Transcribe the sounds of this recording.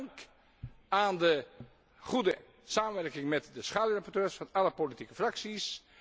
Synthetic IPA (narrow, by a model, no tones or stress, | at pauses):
ŋk | aːndə | χudə | saːmənʋɛrkɪŋmɛtdəsχaːdyrapɔrtøːɹsfɑnɑləpolitikəfraksis